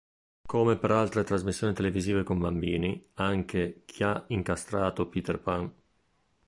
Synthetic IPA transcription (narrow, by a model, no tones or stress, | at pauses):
komepeɾalt̪ɾet̪ɾazmisːjoːnit̪eleviziːvekombambiːniaŋkʰekʰiaiŋkast̪ɾaːt̪opiːt̪erpaŋ